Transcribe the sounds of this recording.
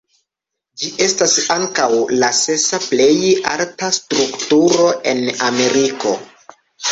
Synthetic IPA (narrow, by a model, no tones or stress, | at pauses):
d͡ʒiʔe̞stasaŋkawlase̞saple̞ja̰ltastɾuktuɾo̞ʔe̞̰name̞ɾiko̞